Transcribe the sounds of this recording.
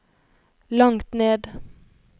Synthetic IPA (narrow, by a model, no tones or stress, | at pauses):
lɑŋt̪neːd̪